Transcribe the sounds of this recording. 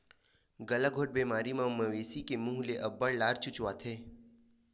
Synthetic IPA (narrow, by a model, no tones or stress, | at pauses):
ɡɐlaɡʱoʈ̚beːmaːɾimãʊmːəʋeːsikemũːɦleʔɐbːəɽlaːɾt͡ʃʊt͡ʃʋat̪ʰeː